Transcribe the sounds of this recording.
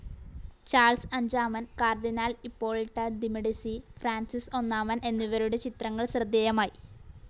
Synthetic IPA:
t͡ɕaːɭsɐɲd͡ʑaːmɐnkaːrɖinaːlipːo̞ːɭiʈːɐd̪imiɽisifraːnsiso̞nːaːmɐnʔe̞nːuʋɐɾuɽet͡ɕit̪rɐŋːɐɭsrɐd̪ːejɐmaːji

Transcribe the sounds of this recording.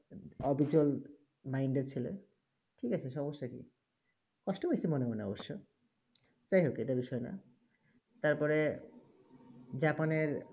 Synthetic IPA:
ɔbʱid͡ʑol | majɳɖeɾt͡ɕʰilḛ | ʈʰikat͡ɕʰeʃɔboʃːakḭ | kɔʃʈopojsʰimonebonɔ̰boʃːo | t͡ɕajɦokieʈabiʃɔena̰ | t̪aɾpɔɾe | d͡ʑapaneɾ

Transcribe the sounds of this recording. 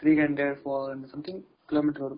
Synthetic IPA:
t̪ɾiːɡɛ̃ɳɖeɾfɔːɛ̃ɳɖsɐ̃mt̪ʰɪ̃ŋ | kɪloːmiːʈəɾɔɾ

